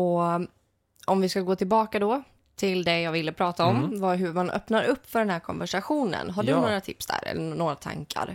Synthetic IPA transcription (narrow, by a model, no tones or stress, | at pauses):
ɔ | ɔmvɪskaɡoːt̪ʰɪlbɑːkad̪ɔ | t̪ʰɪld̪ɛjɑːɡvɪlːəpʰɾɑːt̪aɔmvaɦɵmanʔœ̰pnaɾɵpːfœɖɛnɦæːɾkʰɔ̰nvæʂaɧuːnə̰nɦaɖɵnnoːɾat̪ʰɪpsd̪æ̰ːɾɛ̰lːənoːɾat̪ʰa̰ŋkʰa̰ɾ